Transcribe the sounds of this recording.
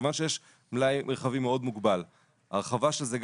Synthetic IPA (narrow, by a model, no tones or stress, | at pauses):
vanʃe̞jeʃ | mlajmʔeʁχavimeo̞d̪muɡbal | a̰ʁeχavaʃelzeɡ